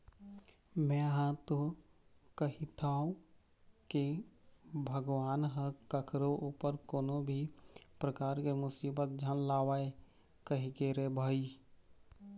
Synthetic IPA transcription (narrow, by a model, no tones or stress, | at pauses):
mɛ̃ɦãt̪o | kəɦit̪ʰaːũ | ke | bʱəɡʋaːnɦəkəkʰɾoʔupəɾkoːnobʱipɾəkaːɾkemʊsiːbət̪̚d͡ʒʱənlaːwaːe | kəɦikeɾebʱaːi